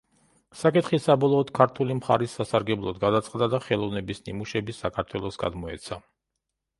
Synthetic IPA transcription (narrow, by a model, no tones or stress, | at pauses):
sakʼit̪χisabɔlˠɔːd̪̥kʰaɾt̪ʰulimχaɾisːasaɾɡɛblˠɔd̪ɡad̪at̪sʼqʼd̪ad̪aχɛlˠɔvnɛbisnimuʃɛbisakʰaɾt̪ʰwɛlˠɔsɡa̰d̪mɔɛt̪sʰa